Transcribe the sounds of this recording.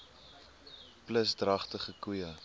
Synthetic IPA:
pləsdrɐχtəχəkuə

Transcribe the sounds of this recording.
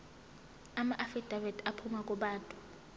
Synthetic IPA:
amaʔafid̥ʱavɛdapʰumak̬ʼuɓaːntʼu̥

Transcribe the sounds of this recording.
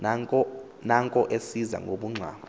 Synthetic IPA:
naŋkʼɔʔesiza̰ŋɡʱoɓuŋ͡ǀʱa̰ːɓ

